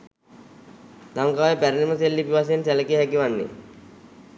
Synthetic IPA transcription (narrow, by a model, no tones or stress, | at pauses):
laŋkaːjepæɾiniməselːipiʋas̬eensæləkijɦækiʋanːḛ